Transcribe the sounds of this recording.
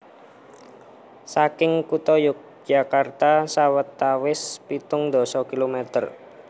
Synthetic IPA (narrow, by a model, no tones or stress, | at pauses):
sakɪŋkut̪ɔjʊk̚d͡ʒ̥akart̪asawət̪ːawɪspit̪ʊŋd̪ɔ̤sɔkilomɛt̪ər